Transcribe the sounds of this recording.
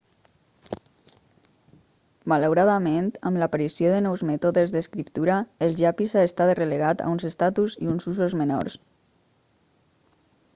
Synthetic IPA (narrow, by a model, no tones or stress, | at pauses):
maləwɾaðament̪əmlapaɾisioðənɔwzmɛt̪oðezðeskɾipt̪uɾaelʒapizaest̪at̪releɣ̞at̪a̰unzest̪at̪uzḭunzuzozmeno̰ɾs